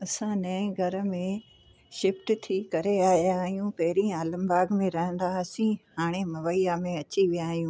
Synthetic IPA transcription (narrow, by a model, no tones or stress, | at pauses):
ɐsãnɐĩɡʱɐɾə̆mẽ | ʃɪfʈt̪ʰikɐɾeaːɦijaːɦijũpɐɦɪɾĩaːlə̃mbaːɡmẽɾɐɦə̃nd̪asĩhaːɽ̃emɐʋəijamẽɐt͡ɕiʋijaːɦijũː